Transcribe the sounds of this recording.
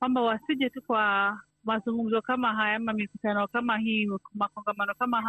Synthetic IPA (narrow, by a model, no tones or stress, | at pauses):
kwambawasiʄɛtukwa | mazuŋɡum̩zɔkamaɦajaamamikutanɔkamahiːmakɔŋɡamanɔkamaɦa